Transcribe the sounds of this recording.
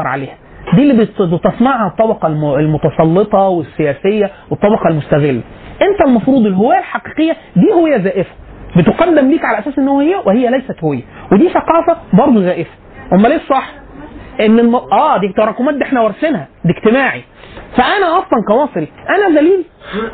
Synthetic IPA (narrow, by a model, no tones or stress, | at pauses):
ɑɾˤʕa̰leːhæ | d̪iːlːiːbbet̪ɑsmɑʕhæt̪ˤːɑbɑqɑlmlmot̪ɑsˤɑlːet̪ˤɑwesːejæːsejːæwet̪ˤːɑbɑqɑlmʊst̪æɣelːæ | ʔent̪ælmɑfɾuːd̪ˤelːɦowæːlħɑqi̥ːqejːæ | d̪iːhowejːæzæːʔɪfæ̥bet̪eqɑd̪ːemliːkʕalæʔæsæːsʔenːhowːæhejːæwʔehejːælæjsæt̪howejːæwed̪iːsæqɑːfæbɑɾˤd̪ˤuɣæːʔɪfæ̥ | ʔomːæleːʃsˤɑħː | ʔenːelmɑʔæːd̪iːt̪ɑɾˤɑkumæːd̪iʔeħnæwɑɾˤsenhæd̪iɡt̪emaːʕi | fæʔænæʔɑsˤlɑnkæwɑːsˤɨɾiʔænæd̪æliːl